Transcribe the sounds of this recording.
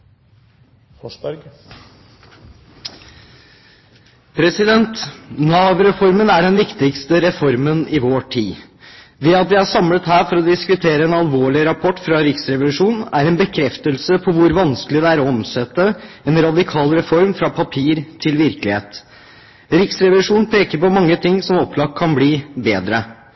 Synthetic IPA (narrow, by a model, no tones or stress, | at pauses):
ɔbɾɡ | pʰɾɛsɪd̪ɛnt̪nɑːʋɾɛfɔɾmənæɖɛnʋɪkt̪ɪkst̪əɾɛfɔɾmənɪʋoːʈʰiː | d̪ɛɑt̪̚ʋɪæsɑmlət̪ɦæːɾfɔɾɔd̪ɪskʉt̪ʰeːɾəɛːnɑlʋoːɭɪɾɑpʰɔʈːfɾɑɾɪksɾɛʋlʉʂuːnnæɾɛnbəkʰɾɛft̪əlsəpʰɔʋʊɾʋɑnskəlɪd̪ɛæːɾɔɔmsɛt̪ːəɛnɾɑd̪ɪkʰɑːlɾɛfɔɾmfɾɑpʰɑpʰiːɾt̪ʰɪlʋɪɾkəlɪhḛːt̪ | ɾɪksɾɛʋlʉʂuːn̩pʰeːkəɾpɔmɑŋːət̪ʰɪŋːsɔmɔpːlɑkʰːɑnbliːbeːd̪ɾə